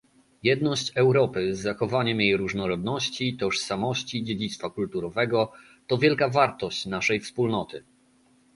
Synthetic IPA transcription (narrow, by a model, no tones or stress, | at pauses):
jɛd̪nɔɕt͡ɕɛwɾɔpɘzːaxɔvaɲɛmjejɾuʐnɔɾɔd̪nɔɕt͡ɕit̪ɔʂsamɔɕt͡ɕid͡ʑed͡ʑit̪st̪fakult̪uɾɔvɛɡɔ | t̪ɔvʲjɛlkavaɾt̪ɔɕt͡ɕnaʂɛjfspulnɔt̪ɘ